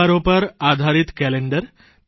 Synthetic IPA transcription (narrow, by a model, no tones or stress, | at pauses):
aɾopəɾad̪ʱaɾiːt̪kɛleɳɖəɾ